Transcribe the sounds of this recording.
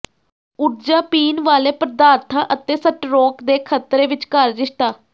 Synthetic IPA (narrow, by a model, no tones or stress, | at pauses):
ʊɾd͡ʒaːpiːnʋaːleːpɾəd̪aːɾt̪ʰãːʔət̪eːsəʈɾɔːkd̪eːkʰət̪ɾeːʋɪt͡ʃkəɾd͡ʒɪʃt̪aː